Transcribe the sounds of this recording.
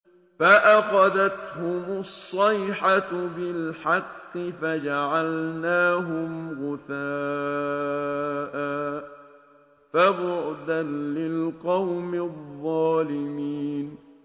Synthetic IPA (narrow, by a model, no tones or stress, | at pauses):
faʔaxɑðat̪hʊmʊsˤːɑjħat̪bɪlħɑqːɪfad͡ʒaʕalnaːɦʊmɣʊθaː | ʔa | fabʊʕd̪anlɪlqɑwmɪðˤːɑːlɪmiːn